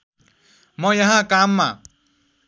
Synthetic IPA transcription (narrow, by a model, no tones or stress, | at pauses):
mʌjʌɦãkamːa